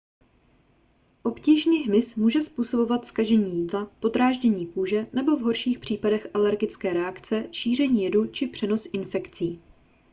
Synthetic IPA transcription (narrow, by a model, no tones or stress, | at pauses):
ʔo̞pciːʒniːɦmɪsmuːʒɛspuːso̞bo̞vat̪skaʒɛɲiːjiːdlapo̞d̪ɾaːʒɟɛɲiːkuːʒɛnɛbo̞vɦo̞ɾʃiːxpr̝̥iːpadɛxʔalɛɾɡɪt͡skɛːɾɛakt͡sɛʃiːr̝ɛɲiːjɛdut͡ʃɪpr̝̥ɛno̞sɪnfɛkt͡siː